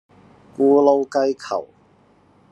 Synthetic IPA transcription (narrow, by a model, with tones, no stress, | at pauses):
kuː˧lo˧wkɐ˧jkʰɐ̰˨˩w